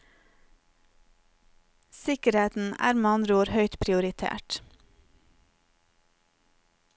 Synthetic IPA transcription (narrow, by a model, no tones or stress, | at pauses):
sɪkəɾeːt̪n̩æ̰ːɾmɑnɾuːɾhœʏt̪pʰɾɪʊɾɪt̪ʰḛːʈ